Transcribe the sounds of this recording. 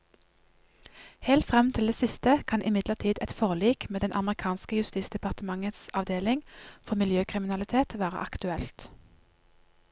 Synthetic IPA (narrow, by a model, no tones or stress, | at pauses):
heːlt̪fʁɛmt̪ʰɪld̪eːsɪst̪əkʰɑnʔɪmɪd̪ləʁt̪ʰiːd̪ɛt̪fɔʁliːkmeːd̪ɛnʔɑməʁɪkʰɑːnskəjʉst̪iːsd̪ɛpɑʁt̪əmɑŋət̪sɑʋd̪eːlɪŋfɔmɪljøːkʰʁɪmɪnɑlɪt̪ʰeːt̪ʋæːʁə̰ʔɑkt̪ʉɛlt̪